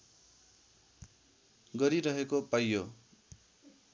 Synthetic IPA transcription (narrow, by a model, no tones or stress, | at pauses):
ɡʌɾiɾʌɦekopajːo